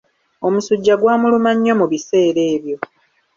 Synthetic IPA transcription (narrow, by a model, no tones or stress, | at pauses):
o̞musuɟːaɡwaːmulumaɲːo̞muβise̞ːɾe̞ːβjo̞